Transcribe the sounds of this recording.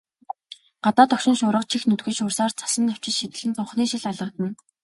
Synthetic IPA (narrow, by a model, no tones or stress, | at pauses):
ɢ̥at̪aːt̪ɔkʃɪ̆nʃʊːɾə̆qt͡ɕʰixnɵt̪ɡɘ̆ʃʊːrsaːrt͡sʰḁsə̆nt̪aw̥t͡ɕɪ̆t͡ɕʃit̪ɘ̆ɮɘ̆nt͡s̪ʊɴχniːʃiɮaɮə̆t̪ə̆n